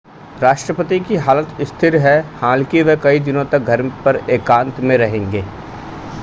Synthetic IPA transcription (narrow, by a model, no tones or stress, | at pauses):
ɾaːʃʈɾəpət̪ikiɦaːlət̪ɪst̪ʰɪɾɦɛhãːlkeʋekɐid̪ɪnõt̪ɐk̚ɡʱɐɾpɐɾeːkãːnt̪mẽɾɐɦẽːŋɡeː